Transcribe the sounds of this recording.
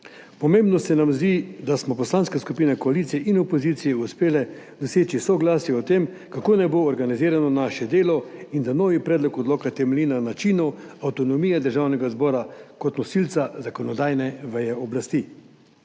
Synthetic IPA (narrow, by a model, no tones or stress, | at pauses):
pɔmembnɔsɛnamzd̪id̪asmɔpɔslaːnskaskupiːnakɔalit̪sijɛʔinɔpoziːt̪sijɛuspeːlɛ | d̪ɔseːt͡ʃisɔɡlaːsjɛɔt̪em | kakoːnɛboːɾɡaniziːɾanɔnaʃɛd̪eːlɔind̪anoːʋipɾɛːd̪lɔkɔd̪loːkat̪ɛmɛlinanat͡ʃiːnɔawt̪ɔnɔmiːjɛd̪əɾʒaːwnɛɡazbɔːɾakɔt̪nɔsilt̪sazakɔnɔd̪aːjnɛʋɛjɛɔblast̪i